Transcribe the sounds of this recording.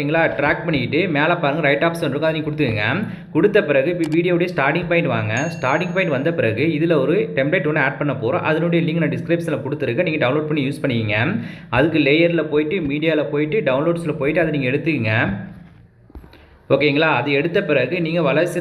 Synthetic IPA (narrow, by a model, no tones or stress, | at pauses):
ŋɡɐɭaːʈɾaːk̚pɐɳːɪkɪʈːɯmeːlaːpaːɾɯŋɡɐɾɐɪʈaːpsɐnɾɯkːaðɐɯniːŋɡɐkʊɽɯt̪ːɯkɯŋɡɐ | kʊɽɯt̪ːɐpɪɾɐɣɯʋiːɽɪjoːɽɐjɐsʈaːɾʈɪŋɡ̚pɐɪ̃ɳʈʋa̰ːŋɡɐsʈaːɾʈɪŋɡpɐɪɳʈʋɐnd̪ɐpɪɾɐɣɯɪðɪlɐɔɾɯʈɛmbleɪʈːonːɯaːʈ̚pɐɳːɐpoːɾõ̰ːʔɐðɐnoːɽɐjɐlɪŋɡnãːɖɪskɾɐɪpsnlɐkɔɽɯt̪ːɯɾɯkːɐniːŋɡɐɖɐʊnloːɖ̚pɐɳːijuːspɐɳːɯʋiːŋɡɐɐðɯkːɯleːjɐɾɪlɐpoːjɪʈːɯmiːɽɪjaːlɐpoːjɪʈːɯɖɐʊnloːɖslɐpoːjɪʈːɯɐðɯniːŋɡɐɛɽɯt̪ːɯkɯŋɡɐ | oːkeɪŋɡɐɭaːɐðɯɛɽɯt̪ːɐpɪɾɐɣɯniːŋɡɐʋɐɭɐsɪ